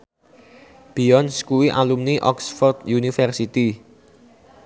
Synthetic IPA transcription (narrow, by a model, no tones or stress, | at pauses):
b̥iɔnskuwiʔa̰lumniʔɔksfɔrd̪junifɛrsit̪i